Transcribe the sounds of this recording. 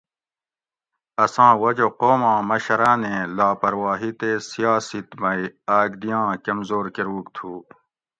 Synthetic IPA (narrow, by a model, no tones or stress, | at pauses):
ɐsãːwɐd͡ʑoqoːmãːmɐɕɐɾaːnẽːlaːpɐɾwaːɦit̪eːsijaːsit̪mɐiaːɡd̪ijãːkɐmzoːɾkeɾuːkt̪ʰuː